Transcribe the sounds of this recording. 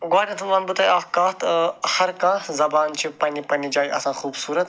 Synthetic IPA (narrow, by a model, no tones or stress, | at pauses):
ɡaːɾɐt̪ʰumanbut̪ɐjaːkãːt̪hɐɾkãːzɐbaːnt͡ʃʰipɐnipɐnid͡ʒaːjʔɐ̰sãːxuːbsuːɾɐt̪